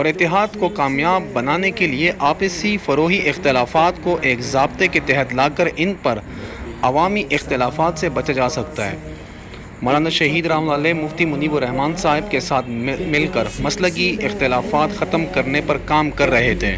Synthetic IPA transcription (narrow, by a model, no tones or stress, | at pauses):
ɔːɾɪt̪ːɪɦaːd̪kokaːmjaːbːɐnaːnekelieʔaːpɪsifɐɾoːɦiʔɪxt̪ɪlaːfaːt̪koʔeːkzaːb̚t̪eket̪ɛɦət̪laːkəɾɪnpɐɾ | ɐʋaːmiʔɪxt̪ɪlaːfaːt̪sebɐt͡ʃad͡ʒaːsɐkt̪aɦɛ̰ː | mɔːlaːnaʃɐɦiːd̪ɾɐːɦmlaːlemʊft̪imʊniːboɾɛɦmaːnsaːɦɪbkesaːt̪ʰmɪlkɐɾmɐslək̬iɪxt̪ɪlaːfaːt̪xɐt̪əmkɐɾnepɐɾkaːmkɐɾːɐɦet̪ʰḛ̃ː